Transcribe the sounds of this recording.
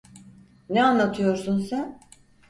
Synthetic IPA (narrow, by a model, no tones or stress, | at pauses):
nɛanlːˠat̪ʰɯjo̞ɾsunsæn